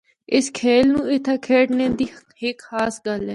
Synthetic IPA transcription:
ɪskʰeːlnũːɪt̪ʰaːkʰeːʈnẽːd̪iː | hɪkhaːsɡəlɛː

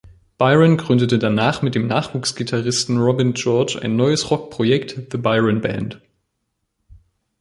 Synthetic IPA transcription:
b̥aɪʁənɡʁʏndətədanaːχmɪt̚d̥eːmnaːχv̥uːksɡ̥itʰaʁɪstn̩ʁɔbɪnd͡ʒɔɐt͡ʃa̰ɪnːɔʏəsʁɔk̚pʁ̥ojɛktðəbaɪʁənbɛ̰nt

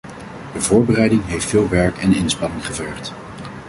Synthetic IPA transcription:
dəvʊːɹbərɛjdɪŋɦejftfɪːlˠʋɛɹkɛnɪnspɑnɪŋχəvɛɹχt

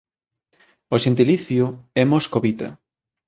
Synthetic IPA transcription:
oʃent̪̬iliθjʊɛmoskoβit̪a̰

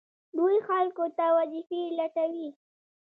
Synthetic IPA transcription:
d̪ojoxalkot̪awad͡ʒifilaʈawi

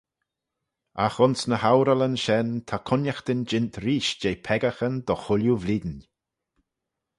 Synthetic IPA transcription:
axʊnsnəhawɾələnʃɛnt̪ʰakʰʊnjaxt̪ɪnd͡ʒɪnt̪ɾiːʃd͡ʒejpʰɛɡaxənd̪ɔxʊljuvliːd̪n

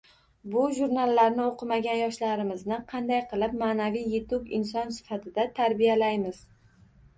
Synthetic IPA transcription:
bʊʒuɾnalˠːaɾnɪoqʰɨmaɡʲanjɒʃlaɾɪmɪznɪqʰɑnd̪ajqʰɨlˠɪp̚maːnavijːet̪ʰʊbɪ̰nsɒnsɪ̥fat̪ʰɪd̪at̪ʰaɾbijalajmɪz̥

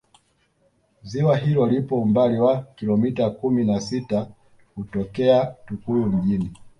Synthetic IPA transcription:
ziwaɦilɔlipɔumbaliwakilɔmitakuminasita | hutɔkɛatukulum̩ʄini

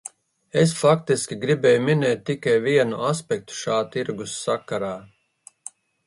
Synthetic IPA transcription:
esfakt̪iskʲiɡɾibɛːjuminɛːt̪̚ʲtːikajviɛnuʔaspʲɛk̚t̪u̥ʃaːt̪iɾɡusːakaɾaː

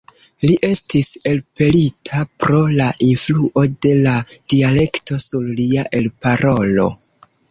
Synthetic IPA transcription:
liʔe̞stise̞lpe̞litʰapɾo̞laʔinfluʔo̞de̞lad̥iale̞kto̞suɾliaʔe̞lpaɾʔo̞lo̞̰

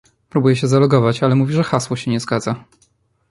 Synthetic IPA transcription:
pɾubujɛɕɛzalɔɡɔvat͡ɕalɛmuvʲiʐɛxaswɔɕɛɲɛzɡad̪za

